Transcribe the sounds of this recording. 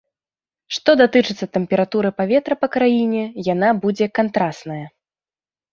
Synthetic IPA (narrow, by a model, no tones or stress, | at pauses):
ʂt̪ɔd̪at̪ɨt͡ʂɨt̪sːɐt̪ɛmpʲɛɾat̪uɾɨpavʲɛt̪ɾɐpɐkɾajinʲɛjan̪abud͡zʲɛkant̪ɾast̪nɐjɐ